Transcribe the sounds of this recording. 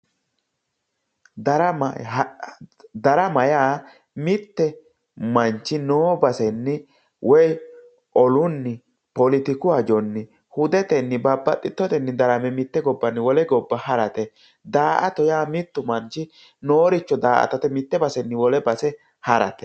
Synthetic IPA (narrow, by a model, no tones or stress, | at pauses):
d̪ɐɾɐ | d̪ɐɾɐmɐjaː | mɪt̪ːɛ | mɐnt͡ʃːɪnoːbɐsɛnːɪ | wʔɔj | ʔɔlʊnːɪ | pɔlɪt̪ɪkʊɐd͡ʒɔnːɪ | hʊd̪ɛt̪ɛnːɪbɐbːɐt̪ʼːɪt̪ːɔt̪ɛnːɪd̪ɐɾɐmɛmɪt̪ːɛɡɔbːɐnːɪwɔlɛɡɔbːɐhɐɾɐt̪ɛ | d̪aːʔɐt̪ɔjaːmɪt̪ːʊmɐnt͡ʃːɪ | noːɾɪt͡ʃːɔd̪aːʔɐ̰t̪ɐt̪ɛmɪt̪ːɛbɐsɛnːɪwɔlɛbɐsɛ | hɐɾɐ̰t̪ɛ̥